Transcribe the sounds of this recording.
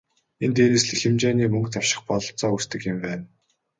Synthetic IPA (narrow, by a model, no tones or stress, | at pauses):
ent̪eːɾesɮĕxɘ̆mt͡ɕeːniːmɵŋkt̪ʰawʃɪ̥̆χpɔɮɞ̆ɬt͡sɔːust̪ɘ̆kjɪ̆mpæːn